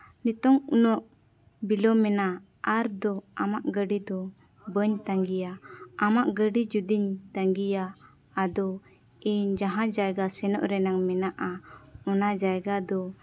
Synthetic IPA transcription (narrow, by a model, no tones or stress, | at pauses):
nit̪ɔŋunɔʔ | bilɔmɛna | aɾd̪ɔamaʔɡəɖid̪ɔ | bəɲt̪aŋɡijaamaʔɡəɖid͡ʒud̪iɲt̪aŋɡijaː | d̪ɔ | ɛɲd͡ʒaɦãd͡ʒajɡasɛnɔ̰ʔɾɛnaŋmɛnaʔaɔnad͡ʒajɡad̪ɔ